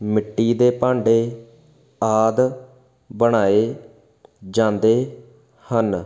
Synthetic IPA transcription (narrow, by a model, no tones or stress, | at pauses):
mɪʈːiːd̪eːpãːɳɖeː | aːd̪ | bəɽ̃aːeː | d͡ʒãːnd̪eː | hən